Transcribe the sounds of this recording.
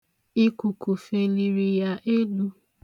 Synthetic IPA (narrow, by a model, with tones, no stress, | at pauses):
i˦ku˨ku˨fe˧li˧ɾi˧ja˦ʔe˦lu˦